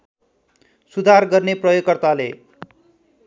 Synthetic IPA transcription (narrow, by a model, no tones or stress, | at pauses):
sud̪ʱarɡʌrneprʌjokːʌrt̪alḛ